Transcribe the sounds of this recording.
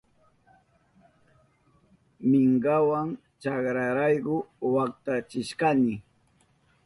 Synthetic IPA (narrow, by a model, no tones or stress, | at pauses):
mɪŋɢawaŋ | t͡ʃakɾaɾajɢʊwak̚t̪at͡ʃɪʃkanɪ